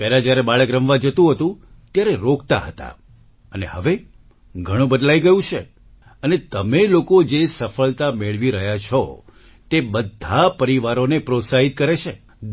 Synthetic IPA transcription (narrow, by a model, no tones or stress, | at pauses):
pɛɦlad͡ʒjaɾebaɭəkɾəmʋad͡ʒət̪ũɦət̪ũ | t̪jaɾeɾokt̪a̰ɦət̪a̰ | ənḛɦəʋe | ɡʱəɽ̃ũbəd̪laiɡəjũt͡ʃʰe | ənet̪əmelokod͡ʒesəfəɭt̪ameɭʋiɾəɦjat͡ʃʰɔ | t̪ebəd̪ʱapəɾiʋaɾonepɾot̪saɦit̪̚kəɾet͡ʃʰe